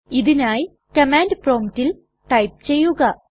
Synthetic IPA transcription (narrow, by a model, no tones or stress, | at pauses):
iðinaːj | kɐmaːndproːmitːil | ʈɐjp̚t͡ɕe̞jːuɣɐ